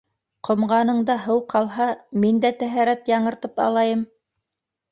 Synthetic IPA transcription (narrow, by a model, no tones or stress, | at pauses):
qŏmʁɑnɤ̆ɴd̪ɑɦɤwqʰɑlˠɦɑmind̪æt̪æɦæɾæt̪jɑɴɤ̆ɾt̪ɤpɑ̰lˠɑjɤm